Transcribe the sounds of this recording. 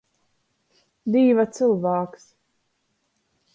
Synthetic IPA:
d̪iːvat̪sɨlˠvaːks

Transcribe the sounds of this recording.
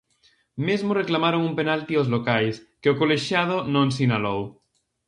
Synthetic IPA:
mezmoreklamaɾoŋumpenalt̪iozlokajskeokoleʃjað̞onõns̬inalow

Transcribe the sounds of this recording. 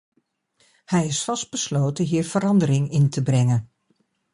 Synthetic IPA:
hɛjɪsfɑsd̚b̥əslowtəɦiːɹv̥əɾɑndəɾɪŋɪntəbrɛŋən

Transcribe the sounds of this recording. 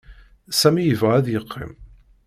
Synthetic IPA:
sæmijəvʁæðjəqʰːḭm

